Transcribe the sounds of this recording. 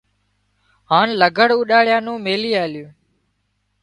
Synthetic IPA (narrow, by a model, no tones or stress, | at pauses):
ɦaːnləɡʱəɽuːɗaːɭjãːnũːmeːliːaːljũː